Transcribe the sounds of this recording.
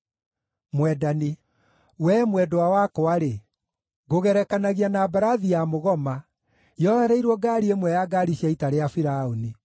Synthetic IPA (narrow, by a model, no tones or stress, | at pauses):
mwɛdani | wɛmwɛdowawakɔaɾe | ɣoɣɛɾɛkanaɣianaːbaɾaðiamoɣɔma | jɔhɛɾɛiɾwɔɡaːɾiemwɛjaɡaɾiɕjaitaɾeafiɾaoni